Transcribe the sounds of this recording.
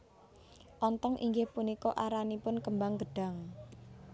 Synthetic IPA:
ʔɔnt̪ɔŋʔḭŋɡɪhpunikɔʔaɾanipʊnkəmbaŋɡəɖ̥a̤ŋ

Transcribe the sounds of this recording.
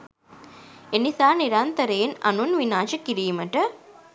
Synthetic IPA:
enisaːniɾant̪əɾeːnɐ̰nunʋinaːʃəkiɾiːməʈə

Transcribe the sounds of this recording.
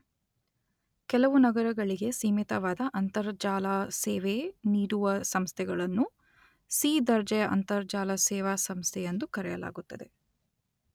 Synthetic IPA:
kɛlɐʋunɐɡɐɾɐɡɐɭiɡe̞siːmit̪ɐʋaːd̪ɐʔɐnt̪ɐɾd͡ʒaːlasɛːʋeniːɽuʋɐsɐmst̪ʰɛɡɐɭɐnːu | siːd̪ɐɾd͡ʒɐjɐʔɐ̰nt̪ɐɾd͡ʒaːlɐsɛːʋaːsɐmst̪ʰɛjɐnd̪ukɐɾɛjɐla̰ːɡut̪ːɐd̪e̞

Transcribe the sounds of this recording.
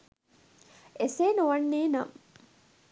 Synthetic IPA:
eseːnuʋɐnːeːnɐ̰m

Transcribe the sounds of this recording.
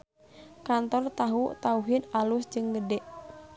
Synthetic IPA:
kant̪ɔrt̪aɦut̪auɦɪnalusd͡ʒɨŋɡədɛʔ

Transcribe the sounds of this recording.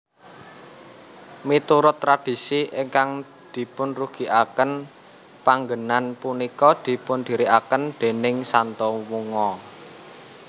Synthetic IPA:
mit̪uɾʊt̪ːɾad̪̥i̤siʔɪŋkaŋ | d̪̥i̤pʊnruɡ̥i̤ʔakən | paŋɡənanpunikɔd̪̥i̤pʊnd̪̥i̤ɾiʔakənd̪̥e̤nɪŋsant̪ɔwuŋɔ

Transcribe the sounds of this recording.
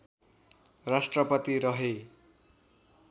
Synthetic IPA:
rasʈrʌpʌt̪iɾʌɦe

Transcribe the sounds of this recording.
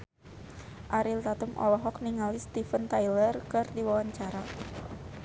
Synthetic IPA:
ʔaɾilt̪at̪əmʔɔ̰lɔɦɔk̚niŋalist̪ifənt̪ajlərkɨrdiwawaɲt͡ʃaɾa

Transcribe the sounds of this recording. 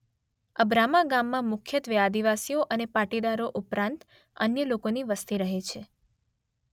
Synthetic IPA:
əbɾamaɡamːãmʊkʰjət̪ʋəad̪iʋasijoʔənepaʈid̪aɾoʔupɾãnt̪ | ə̰njəlokoniʋəst̪iɾəɦet͡ʃʰe

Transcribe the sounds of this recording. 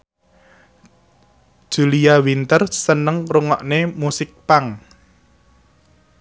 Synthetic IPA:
ʒ̥ulijawint̪ərsənəŋruŋɔʔnemusɪk̚paŋ

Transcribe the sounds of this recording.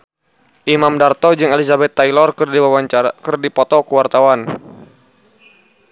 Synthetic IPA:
ʔimamdart̪ɔd͡ʒɨŋɛlizabɛt̪ːailɔrkiawaakərdipɔt̪ɔkəwart̪awan

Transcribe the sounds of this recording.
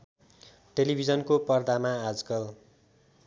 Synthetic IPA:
ʈelibʱid͡zʌnkopʌrd̪amaad͡zkʌl

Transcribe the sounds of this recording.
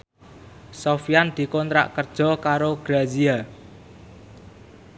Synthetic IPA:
sofijand̪̥i̤kɔnt̪ɾa̰ʔkərd̥ʒ̥ɔ̤kaɾoɡ̥ɾazia

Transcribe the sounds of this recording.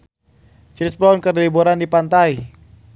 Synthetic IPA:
t͡ʃɾisplɔnkərdiliboɾandipant̪ai

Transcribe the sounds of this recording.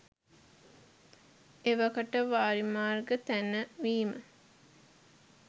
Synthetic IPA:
eʋɐkəʈəʋaːɾimaːrɡət̪ænːəʋiːmə

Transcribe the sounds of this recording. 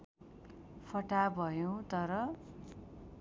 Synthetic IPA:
pʰʌʈabʱʌjõt̪ʌɾʌ

